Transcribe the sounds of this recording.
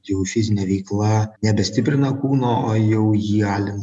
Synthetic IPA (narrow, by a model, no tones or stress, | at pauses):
jɛʊfʲɪzʲɪnʲɛʋʲɛɪklˠɐnʲɛbʲɛsʲt̪ʲɪpʲɾʲɪnɐkuːnoːoːjɛʊjiːɑːlʲɪn